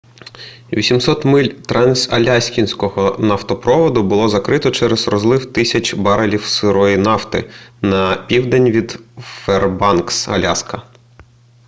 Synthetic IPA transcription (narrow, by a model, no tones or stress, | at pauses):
ʋʲisʲimsɔt̪mɪlʲt̪ɾɑnʲsɐ̰lʲasʲkʲinʲsʲkɔɦɔnɐft̪ɔpɾɔʋɔd̪ʊbʊlˠɔzɐkɾɪt̪ɔt͡ʃɛɾɛz̥rɔzlˠɪwt̪ɪsʲɐt͡ʃbɑɾɐlʲiwsɪɾɔjinɑft̪ɪ̰nɐpʲiwd̪enʲʋʲid̪fɛrbɑnksɐ̰lʲaskɐ